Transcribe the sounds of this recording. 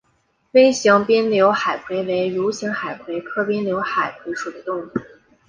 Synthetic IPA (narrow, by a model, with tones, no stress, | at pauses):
fe˥ɪɕjɑ˧˥ŋpjɛ˥nljo˧˥ʊxa˨˩ɪkʰwe˧˥ɪwe˧˥ɪɻu˧˥ɕi˧˥ŋxa˨˩ɪkʰwe˧˥ɪkʰɤ˥pjɛ˥nljo˧˥ʊxa˨˩ɪkʰwe˧˥ɪʂu˨˩d̪ə˦t̪ʊ˥˧ŋu˥˩